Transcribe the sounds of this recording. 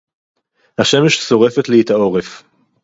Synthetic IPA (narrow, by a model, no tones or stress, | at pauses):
haʃemeʃt͡so̞ʁefet̪liit̪ao̞ʁef